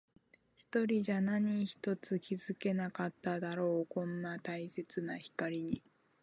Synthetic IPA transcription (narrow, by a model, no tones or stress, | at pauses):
çi̥t̪o̞ɾʲiʑanaɲ̟içi̥t̪o̞t͡sɨkʲizɨke̞nakat̪ːad̪aɾo̞ːkõ̞nːat̪aise̞t͡sɨnaçi̥kaɾʲiɲ̟i